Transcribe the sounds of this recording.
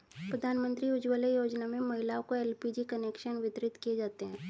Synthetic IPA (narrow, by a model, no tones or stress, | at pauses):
pɾɐd̪ʱaːnmə̃nt̪ɾiʊd͡ʒʋəlejoːd͡ʒnamẽmɐɦɪlaõkoɛːlpid͡ʒikɐneːkʃənʋɪt̪ɾɪt̪kijed͡ʒaːt̪eɦɛ̃ː